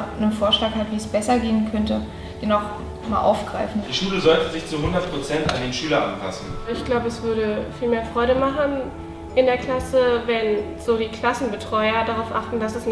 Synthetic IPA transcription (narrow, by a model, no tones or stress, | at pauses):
nənfoːɐʃlaːkhatv̥iːɛsb̥ɛsɐɡeːənkʰœntə | d̥ɛnaʊχ | maːlʔa̰ʊfɡ̥ʁaɪfn̩d̥iːʃuːləzɔltəzɪçt͡suɦʊndɐt̚pʁ̥ot͡sɛnta̰ndeːnʃyːlɐʔa̰npʰa̰sn̩ɪçɡ̥laʊbəɛsv̥ʏɐɾəfiːlmeːɐfʁ̥ɔʏɾəmaχn̩ | ʔɪndeːɐkl̥asəvɛn | z̥oːdiːkl̥asn̩bətʁ̥ɔʏɐdaʁaʊfʔaχtn̩dasɛs